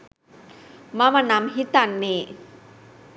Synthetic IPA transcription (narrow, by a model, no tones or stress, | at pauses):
mamanamɦit̪anːe